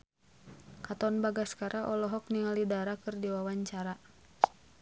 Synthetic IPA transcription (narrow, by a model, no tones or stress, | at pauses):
kat̪ɔnbaɡaskaɾʔaʔɔlɔɦɔk̚niŋalidaɾakɨrdiwawaɲt͡ʃaɾa